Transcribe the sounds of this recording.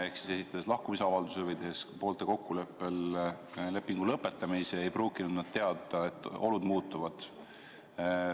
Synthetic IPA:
e̞hksi̥se̞sit̪ːˑɑd̪̥eslɑhkumis̬eɑvɑld̪usevɤjt̪ehespo̞ːlt̪e̞ko̞kːule̞pːe̞l | le̞pːˑiŋɡ̥ulɤpːˑe̞t̪ːˑɑmiseejpruːkːinud̪nɑd̪̥̚t̪e̞ɑd̪ɑe̞t̪ːˑo̞̰lud̪muːt̪ːˑuvɑd̪̥

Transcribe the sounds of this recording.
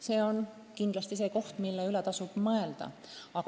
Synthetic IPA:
se̞ːo̞n | kind̪lɑst̪is̬e̞ːko̞ht̪milːeylɛt̪ɑsub̥mɤe̞ld̪̥ɑ̰ | ɑk

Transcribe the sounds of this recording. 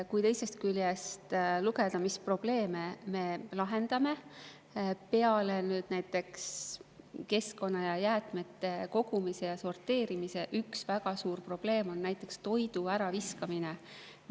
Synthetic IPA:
kujt̪e̞jse̞st̪kyljest̪luɡe̞d̪̥ɑmispro̞b̥le̞ːmeme̞lɑɦe̞nd̪̥ɑme̞ | pe̞ɑlenyːd̪̥næjt̪ːˑe̞ks | ke̞sko̞nːɑjɑjæːt̪ˑme̞t̪ːˑe̞ko̞ɡ̥umise̞jɑso̞rt̪ːˑe̞ːɾimise̞ʔyksvæɡ̥ɑsuːrpro̞b̥le̞ːmo̞nːæjt̪ˑːe̞kst̪o̞jd̪̥uæɾɑviskɑmine

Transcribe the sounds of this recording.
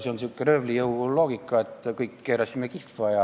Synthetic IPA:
seonsykːerøvlijɤwloːɡ̥ikːˑɑet̪ːkɤjkːeːɾɑsimekifːɑjɑ

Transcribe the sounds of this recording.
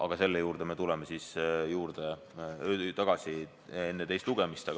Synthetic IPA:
ʔɑ̰ɡ̥ɑse̞lːejuːɾd̪̥eme̞t̪ulɛmesisjuːɾd̪̥e | øːt̪ɑɡ̥ɑsi | e̞nːet̪e̞jst̪luɡ̥e̞mist̪e

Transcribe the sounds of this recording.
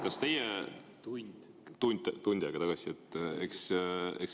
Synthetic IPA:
kɑst̪e̞je | t̪und̪̥ | t̪unʲd̪̥̚ʲt̪unʲd̪jɑɡɑt̪ɑɡ̥ɑsie̞t̪ːˑeksḛks

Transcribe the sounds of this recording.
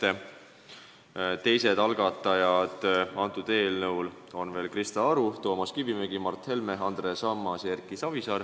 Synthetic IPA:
e | t̪e̞jse̞d̪ɑlɡ̥ɑt̪ˑːɑjɑd̪̥ɑnt̪ˑːud̪e̞ːlnɤwlo̞nve̞ːlkrist̪ɑɑɾut̪o̞ːmɑskivimeɡimɑrt̪he̞lme̞ɦɑnd̪̥resɑmːɑsjerkˑisɑvisɑr

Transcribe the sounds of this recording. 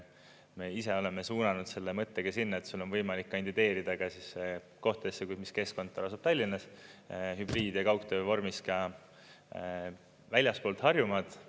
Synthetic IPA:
me̞ise̞o̞le̞me̞suːnɑnud̪̥se̞lːemɤt̪ːeɡ̥ɑsinːɑet̪sulːo̞nvɤjmɑlikːɑnd̪id̪e̞ːɾid̪̥ɑɡ̥ɑsisːe | ko̞ht̪d̪esːekumiske̞sko̞nt̪ːɑɑsub̥̚t̪ɑlʲːinːɑsɦybriːd̪̥jɑkɑwkt̪ø̞ːvo̞rmiskɑ | vælʲjɑspoːlt̪hɑrjumɑd̪̥

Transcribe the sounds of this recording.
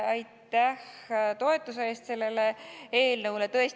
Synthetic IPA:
ɑjt̪ːæht̪o̞e̞t̪ːˑuseeːst̪se̞lːe̞lee̞ːlnɤwle̞t̪ɤe̞s

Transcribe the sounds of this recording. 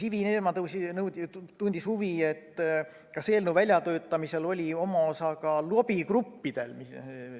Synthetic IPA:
sivineːmɑt̪sinɤw̪t̪und̪̥ishuvie̞t̪ː | kɑseːlnuvælʲjɑt̪ø̞ːt̪ːˑɑmise̞lo̞lʲio̞mɑo̞sɑkɑluobikrupːid̪̥e̞̰lmi

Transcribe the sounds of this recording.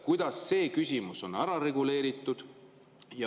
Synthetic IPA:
kujd̪̥ɑsːe̞ːkysʲimuso̞næɾɑɾe̞ɡule̞ːɾit̪ːˑud̪̥ | jɑ

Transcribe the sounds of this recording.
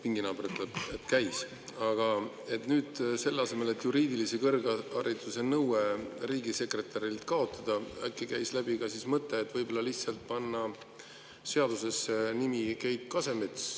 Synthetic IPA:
piŋɡinɑːb̥eɾet̪ːleet̪kæjs | ɑɡ̥ɑ | e̞t̪nyːd̪̥se̞lːɑse̞me̞le̞t̪ːˑjuɾiːd̪ilisekɤrɡɑɾit̪ːˑuse̞nɤweɾiːɡise̞kre̞t̪ɑɾilt̪kɑo̞t̪ːˑɑd̪̥ɑæ̰kːˑekæjslæb̥iɡɑsismɤt̪ːˑeːt̪ːˑvɤjb̥o̞lːɑlihtsɑlt̪̚pɑnːɑ | se̞ɑd̪̥use̞senimikejt̪̚kɑse̞met̪s

